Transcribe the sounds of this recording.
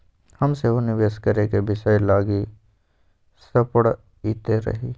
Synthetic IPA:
hɐmseɦonɪʋeːskəɾekebɪʃajlaːɡi | sɐpəɽ | iːt̪eɾɐ̰ɦiː

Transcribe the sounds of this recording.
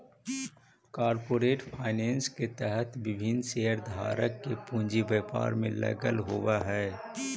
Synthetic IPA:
kaːɾpoːɾeːʈpʰaːɪnẽːnsket̪ɛɦət̪ʋɪbʱɪnseːəɾd̪ʱa̰ːɾəkːepũːɲd͡ʒiʋeːpa̰ːɾmẽlɛ̰ɡəlɦowaɦɛː

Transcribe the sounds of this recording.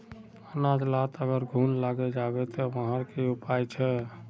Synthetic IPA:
ənad͡ʒ̪lat̪əɡəɾɡʱunlaɡɛd͡ʒabɛt̪ɔməɦəɾkeupajt͡ʃʰɛ

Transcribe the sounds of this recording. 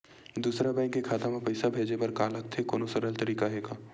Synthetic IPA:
d̪uːsɾabɛ̃ːŋkːekʰaːt̪amãpɐɪsabʱeːd͡ʒepɐɾkaːləkt̪ʰekoːnosəɾəlt̪ɐɾiːkaɦɛːɡaː

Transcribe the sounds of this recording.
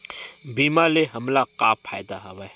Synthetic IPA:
biːmaːleɦɐmlaqaːpʰːaːjd̪aɦɐwaj

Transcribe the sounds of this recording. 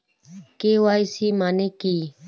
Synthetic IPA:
keːwaːisiːmaːneːkiː

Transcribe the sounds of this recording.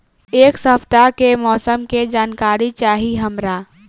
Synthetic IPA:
eːksəpt̪akemɔːsəmked͡ʒaːnkaːɾit͡ʃaːɦiɦəmɾaː

